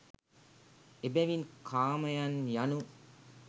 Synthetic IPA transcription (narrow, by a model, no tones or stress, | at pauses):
ebæʋinkʰaːmɐjanjanu